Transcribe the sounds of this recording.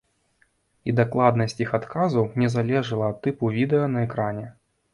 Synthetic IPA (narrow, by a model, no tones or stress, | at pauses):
id̪aklˠad̪nɐsʲt͡sʲixat̪kazɐwnʲɛzalʲɛʐɨlˠɐːt̪ːɨpuvʲid̪ɛjɐnɐɛkɾanʲɛ